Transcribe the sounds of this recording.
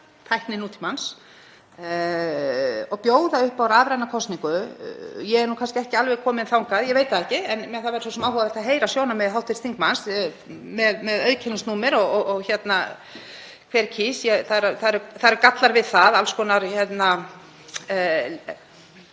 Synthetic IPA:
t̪ʰajhknɪnuːt̪ʰimans | ɔɣpjoːwðaʏhpawɾaðɾajnakʰɔst̪niŋkʏ | jɛɛɾnukʰanscɪɛhcɪalvɛkʰɔːmɪðɪnθawŋkaðjɛɣveːjt̪aðɛhcɪɛnmɛθaðɛɾ̥sɔsɛmawhɔɣaðɛɾ̥t̪aɦeːjɾasjoːwnamɛðɦawht̪ɪɾst̪iŋkmans | mɛðmɛðœɥðcʰɛnʏsuːmɪɾɔɣɔɣçɛt̪na | kʰvɛːɾcʰisjɛθaðɛɾθaðɛɾʏθaɾkat̪laɾvɪðθaðalskɔːnaɾçɛt̪na

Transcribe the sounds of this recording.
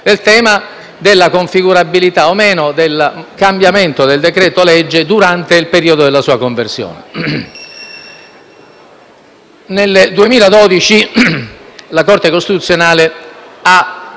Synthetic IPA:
elt̪ɛːma | d̪elːakoɱfiɡuɾabilit̪aomeːnod̪elkambjament̪od̪eld̪ekɾɛːt̪olɛd͡ʒːed̪uɾant̪eilpeɾiːod̪od̪elasuːakoɱversjo̰ːnḛ | neld̪uemiːlad̪ɔd̪it͡ʃi | lakort̪ekost̪it̪ut̪sːjonaːlea

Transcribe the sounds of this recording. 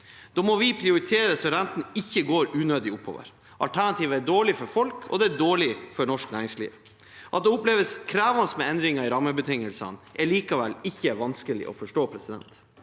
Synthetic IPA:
d̪̥oːmɔʋɪpʰɾɪʊɾɪt̪ʰeːɾəsɔɾɛnt̪n̩ɪçːəɡoːɾʉːnøːd̪ɪʊpʰho̰ːʋə̰ɾ | ʔɑlt̪ʰæɳɑt̪ʰiːʋəæɖoːɭɪfɔɾfɔlkʰɔ̰d̪ɛæɖoːɭɪfɔɳɔʂknæːɾɪŋslḭːʋ | ʔɑt̪̚d̪ɛʊpleːʋəskʰɾæːʋɑnsmɛɛnd̪ɾɪŋɑɪɾɑmːəbət̪ʰɪŋːəlsɑ̰nʔɛliːkɑʋɛlːɪçːəʋɑnskəlɪ̰ʔɔ̰fɔʂʈoːpʰɾɛsɪd̪ɛ̰nt̪

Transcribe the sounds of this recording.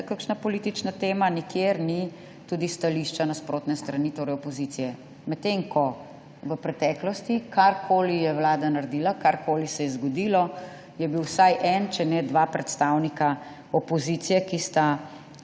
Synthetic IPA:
kakʃnapɔliːt̪it͡ʃnat̪eːmanikjeɾni | t̪ud̪ist̪aliʃt͡ʃanaspɾoːt̪nɛst̪ɾanit̪oːɾɛjɔpɔzit̪sijɛ | mɛt̪ːeŋkɔ | ʋəpɾɛt̪ɛːklɔst̪ikʰaɾkʰoːlijɛwlaːd̪anaɾd̪iːlakaɾkoːlisɛjɛzɡɔd̪iːlɔ | jɛbiwsajʔɛnt͡ʃɛnɛd̪ʋaːpɾɛt̪st̪awnika | ɔpɔzit̪sijɛkist̪a

